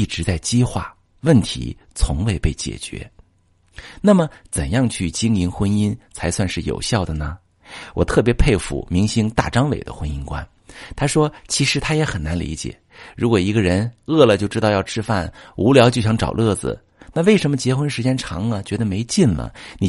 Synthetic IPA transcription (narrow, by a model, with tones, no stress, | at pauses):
i˥˩ʈ͡ʂɻ̩˧˥t͡sa˥˩ɪt͡ɕi˥xwa̰˥˩ | wə˥˩nt̪ʰḭ˧˥ | t͡sʰʊ̰˧˥ŋwe˥˧ɪpe˥˩ɪt͡ɕjɛ̰˨˩t͡ɕɥɛ̰˧˥ | na˥˩mə˩t͡sə˨˩njɑ˥˧ŋt͡ɕʰy˥˩t͡ɕi˥ŋi˧˥nxwə˥ni˥nt͡sʰa˧˥ɪswa˥˧nʂɻ̩˥˩jo̰˨˩ʊɕjɑ˥˩ʊd̪ə˩nə˩ | wɔ̰˨˩t̪ʰɤ˥˩p̬jɛ˧˥pʰe˥˧ɪfṵ˨˩mi˧˥ŋɕi˧˥ŋt̪a̰˥˩ʈ͡ʂɑ˥ŋwḛ˨˩ɪd̪ə̰˦xwə˥ni˥nkwa̰˥n | t̪ʰa˥ʂwɔ˥t͡ɕʰi˧˥ʂɻ̩˧˥t̪ʰa˥jɛ˧˥xə˨˩nna˧˥nlḭ˧˥t͡ɕjɛ̰˨˩˦ɻu˧˥kwɔ˨˩i˧˥ɡə˧ɻə˧˥nɤ˥˩lə˩t͡ɕjo˥˧ʊʈ͡ʂɻ̩˥t̪ɑ˥˧jɑ˥˧ʊʈ͡ʂʰɻ̩˥fa˥˩nu˧˥ljɑ˧˥t͡ɕjo˥˧ʊɕjɑ˥ŋʈ͡ʂɑ̰˨˩ʊlɤ˥˩d͡zɹ̩̰˩ | na˥˧we˥˩ɪʂə˧˥nmə˧t͡ɕjɛ˧˥xwə˥nʂɻ̩˧˥t͡ɕjɛ˥nʈ͡ʂʰɑ˧˥ŋlə˨t͡ɕɥɛ˧˥d̪ə˧me˧˥ɪt͡ɕi˥˩nlə̰˩ni˨˩